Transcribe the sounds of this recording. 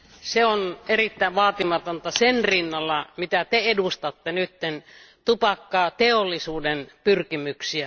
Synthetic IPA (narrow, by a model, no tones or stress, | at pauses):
seonerit̪ːæˑeʋʋɑːt̪imɑt̪ont̪ɑsenrinːɑlːɑmit̪æt̪eedust̪ɑt̪ːenyt̪ːen | t̪upɑkːɑːt̪eolːisuːdenpyrkimyksiæ